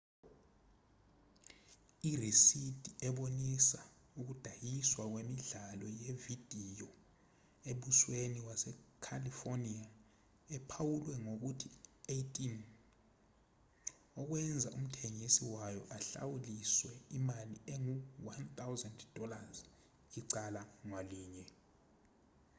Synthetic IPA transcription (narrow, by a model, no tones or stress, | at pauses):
irisid̥ʱiɛɓonisa | uk̬ud̥ʱajiswak̬wemiɮalɔjevid̥ʱijɔ | eɓusweniwasɛkʰalifonia | ɛpʰawulwɛŋok̬utʰieitʼin | ɔk̬wɛnd͡zʱaʔum̩tʰeŋisiwajɔ̰ʔaɬa̰wuliswɛimalieŋuwant̪awzɛndd̥ʱɔlaz | iǀalaŋwaliːɲɛ